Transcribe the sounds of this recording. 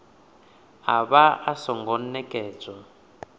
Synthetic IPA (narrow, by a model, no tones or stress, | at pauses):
ɦaβaasɔŋɡɔnnɛkʼɛːt͡sɔ